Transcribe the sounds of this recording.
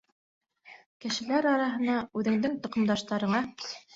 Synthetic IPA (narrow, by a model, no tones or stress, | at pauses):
kɘ̆ʃɘ̆læɾɑɾɑɦɤ̆nɑʉðɘ̆ŋd̪ɘŋt̪ŏqɤ̆md̪ɑʃt̪ɑɾɤ̆ɴɑ